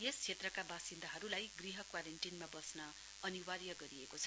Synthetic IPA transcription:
est͡sʰet̪rʌkabasind̪aɦʌɾulajɡriɦʌkwaɾenʈinmabʌsnʌ | ʌniwaɾjʌɡʌɾiekot͡sʰʌ

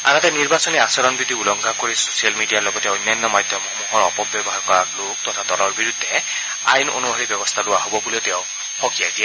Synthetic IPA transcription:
anatɛniɹbasɔniasɔɹɔnbid̪iulɔŋɡʱakoɹiso̥sialmidijaɹlɔɡɔtɛonːajnːɔmajdʱjɔmɔxmuɦɔɹɔpɔbːjɔbɔɦaɹkɔɹaklok̚tɔtʰadɔlɔɹbiɹudʱːɛ | a̰jno̰nubʱaɹibɔbɔst̪ʰalʊwaɦobɔbulɛʊtɛʊ | hɔkijajdiɛ

